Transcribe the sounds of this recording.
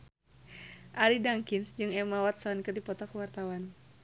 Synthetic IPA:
ʔaɾidaŋkinsd͡ʒɨŋɛmawat̪̚saɔnkɨrdipɔt̪ɔkəwart̪awan

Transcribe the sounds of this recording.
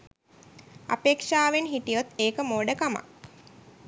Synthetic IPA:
a̰peːkʂaːʋenɦiʈijot̪ːeːkəmoːɖəkama̰k

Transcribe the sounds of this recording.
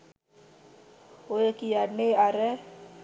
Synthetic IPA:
ojekijaneaɾɛ

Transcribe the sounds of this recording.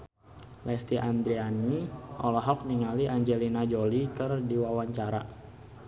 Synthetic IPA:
lɛst̪iʔand̪ɾianiʔɔlaɦɔk̚niŋaliʔaɲd͡ʒɛlinad͡ʒolikɨərdiwawaɲt͡ʃaɾa

